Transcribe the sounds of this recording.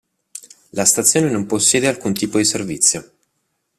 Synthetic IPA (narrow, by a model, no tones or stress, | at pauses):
last̪at̪sːjoːnenomposːjɛːd̪ealkunt̪iːpod̪iservit̪sːjo